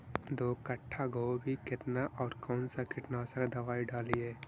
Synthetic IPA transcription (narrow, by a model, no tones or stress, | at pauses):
d̪oːkəʈʰːaɡʱoːbʱikɪt̪naʔɔːɾkɔːnsakɪʈnasəɾd̪ɐʋaːiɖaːlieː